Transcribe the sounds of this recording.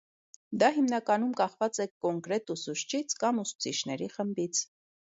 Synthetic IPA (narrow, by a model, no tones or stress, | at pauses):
d̪ɑɦimnɑkɑnumkɑχvɑt͡sɛkɔŋkɾɛt̪usuʃt͡ʃʰit͡sʰkɑmusu̥t͡sʰit͡ʃʰnɛɾiχəmbit͡sʰ